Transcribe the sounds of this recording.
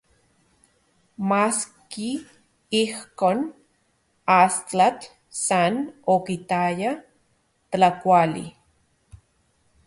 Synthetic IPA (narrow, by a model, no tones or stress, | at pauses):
maski | ihkon | ast͡ɬat͡ɬ | sanokit̪aja | t̪t͡ɬakʷalḭ